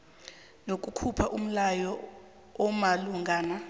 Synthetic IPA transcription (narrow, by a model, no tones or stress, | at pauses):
nok̬ʼukʰupʰaʔum̩lajɔ | ɔmaluŋɡʱaːna